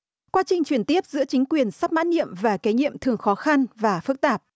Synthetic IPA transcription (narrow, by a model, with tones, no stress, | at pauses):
kwaː˧t͡ɕï˨˩ŋ̟t͡ɕwi˧˩ənt̪i˦˥əp̚zɨ̰˧˥ət͡ɕï˨˦ŋ̟kwi˨˩ənsa˦˥p̚ma̰ː˧˥n̚nḭ˧˨əmvaː˨˩kaː˨˦ɲḭ˧˨əmt̪ʰɨ˨˩əŋxɔ˨˦xa˧nvaː˨˩fɨ˦˥k̚t̪aː˨˩p̚